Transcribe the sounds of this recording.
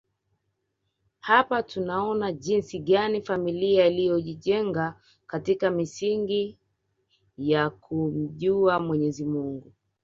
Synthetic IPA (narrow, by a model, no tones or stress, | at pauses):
hapatunaɔnaʄinsiɠanifamiliailijɔʄiʄɛŋɡa | katikamisiŋɡi | jakum̩ʄuamwɛɲɛzimuŋɡu